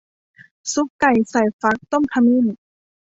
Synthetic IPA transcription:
su˧˦˥kːa˨˩jsa˨˩jfa˧˦˥k̚t̪o˥˩˨mkʰa˧mi˧˥˨n

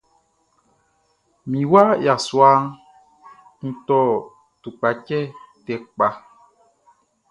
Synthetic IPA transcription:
mĩ˨wa˦ja˨swa˦ŋ | kũ˨t̪ɔ˦ | t̪u˨k͡pa˨t͡ʃɛ˦tɛ˨k͡pa˨

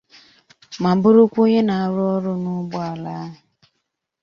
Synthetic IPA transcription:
ma˨˦bʊ˦ɾʊ˦kʷo˦ɲe˦na˨a˨ɾʊ˦ɔ˦ɾʊ˦nʊ˦bʊ˦a˨la˦ɦɪ˨

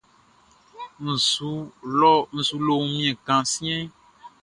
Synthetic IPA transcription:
n̩˨su˨˦lɔ˦n̩˨su˨˦lo˦mĩ˦ɛ̃˨kã˨sĩ˦ɛ̃˦

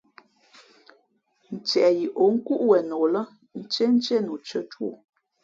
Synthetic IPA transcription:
n̩˨t͡ʃɛ˨ji˨ʔo˨˦ŋ̩˦ku˦ʔwɛ˨no˨lə˦ | n̩˦t͡ʃe˦n̩˦t͡ʃe˦nu˨t͡ʃə˦twṵ˦˨

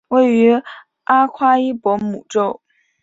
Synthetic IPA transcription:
we˥˩ɪy˧˥ | ʔa˥kʰwa˥i˥pwɔ˧˥mu˨˩ʈ͡ʂo˥˩ʊ

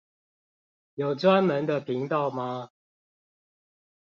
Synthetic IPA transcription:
jo˨˩ʊt͡swa˦nmə˨˦nd̪ə˨pʰi˨˦ŋt̪ɑ˥˨ʊma˨

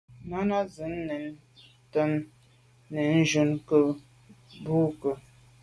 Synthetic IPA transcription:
na˦na˦zə˨˦n˦nɛ˨n | tə˦m | nə˨n̩˦d͡ʒu˦nkə˦ | bu˦kə˨

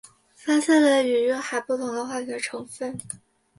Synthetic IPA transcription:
fa˥ɕjɛ˥˩lə˨˩y˨˩ɥɛ˥xa˨˩ɪpu˥˩t̪ʰʊ˧˥ŋd̪ə˧xwa˥˩t̪ʰi˥˩ə˧ʈ͡ʂʰɤ˧˥ŋfə˥˩n

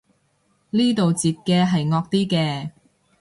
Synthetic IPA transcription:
liː˥t̪o˨wt͡siː˨t̚kɛː˧ɦɐ˨jŋɔː˧k̚t̪iː˥kɛː˧

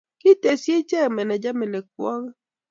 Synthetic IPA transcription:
kɪ˦te˨sje˦t͡ʃɛ˦˨mɛ˨nɛ˨d͡ʒa˦mɪ˨le˨k̚wɔ˦ŋ˦

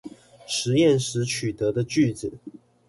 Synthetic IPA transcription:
ʂɻ̩˧˥jɛ˥˨nʂɻ̩˧˥t͡ɕʰy˨˩t̪ɤ˨˥d̪ə˧t͡ɕy˥˩t͡sɹ̩˨˩˦

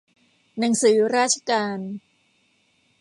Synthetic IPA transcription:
na˩˦ŋsɯː˩˦ɾaː˥˩t̪̚t͡ɕʰa˧kaː˧n

